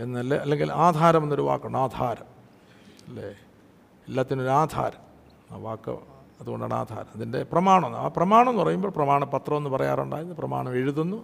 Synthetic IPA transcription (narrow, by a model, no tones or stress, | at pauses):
enːɐlːeɐlːe̞ŋɡilaːd̪ʱaːɾɐmonːoɾuʋa̰ːkːuɳːaːd̪ʱaːɾɐm | ɐlːḛ | elːaːt̪ːino̞ɾuaːd̪ʱa̰ːɾɐm | a̰ːʋaːkːɨ̰ | ɐðuɣo̞ɳɖa̰ːɳa̰ːd̪ʱa̰ːɾɐmɐðinde̞̰prɐmaːɳɐmonːa̰prɐmaːɳɐmnupɐrɐjumbo̞ːɭprɐmaːɳɐpɐt̪rɐmonːɨpɐrɐja̰ːruɳɖa̰ːjɐðɨprɐma̰ːɳɐmeɻuðunːu